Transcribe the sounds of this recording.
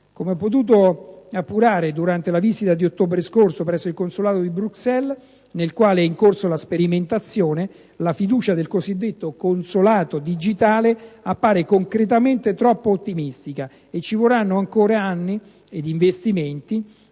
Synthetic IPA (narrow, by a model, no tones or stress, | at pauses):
komeɔpːot̪̬uːt̪̬oapːuɾaːɾed̪uɾant̪elavizit̪ad̪iot̪ːoːbɾeskorsopɾɛsːoilkonsolaːt̪od̪ibɾuksɛl | nelkwaːleɛiŋkorsolaspeɾiment̪at̪sːjoːne | lafid̪uːt͡ʃad̪elkozid̪ːet̪ːokonsolaːt̪od̪id͡ʒit̪aːleapːaːɾekoŋkɾet̪̬ament̪et̪ɾɔpːoot̪ːimist̪ika | et͡ʃːivoranːoʊaŋkoːɾaanːi | ed̪iɱvest̪iment̪i